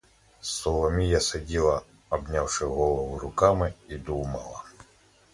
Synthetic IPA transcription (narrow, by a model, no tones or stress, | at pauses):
sɔlˠɔmʲijasɐdʲilˠɐ | ɔbnʲawʂɪɣɔlˠɔʋʊɾʊkamɪid̪umɐlˠɐ